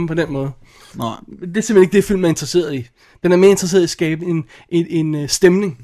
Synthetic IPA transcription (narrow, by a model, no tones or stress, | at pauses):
m̩pʰɒ̽d̥enmɔ̽ːð̩ˠ | d̥eæsem̥ːeneɡ̥əd̥efil̰mæɐe̝nd̥ʁɐse̝̰ːɐi | d̥enæɐme̝ːɐe̝nd̥ʁse̝̰ɐðˠisɡ̥ɛːb̥əe̝n | ʔe̝e̝nsd̥emne̝ŋ